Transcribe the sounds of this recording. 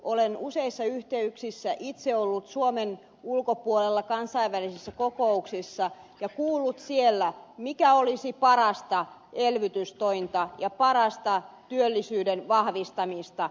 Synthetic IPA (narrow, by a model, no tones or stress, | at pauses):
ʔolenuseisːɑyht̪eyksisːæʔit̪seolːut̪suomen | ulkopuolelːɑkɑnsɑiʋʋælisisːækokouksisːɑjɑkuːlːut̪sielːæmikæolisipɑrɑst̪ɑelʋyt̪yst̪oint̪ɑjɑpɑrɑst̪ɑt̪yølːisyːdenʋɑhʋist̪ɑmist̪ɑ